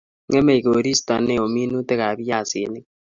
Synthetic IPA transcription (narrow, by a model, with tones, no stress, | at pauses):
ŋe˦me˦˨i˨ko˨ɾi˦sta˨ne˦o˨mi˦nu˦te˦ka˨βi˦ja˦˨se˨ni˦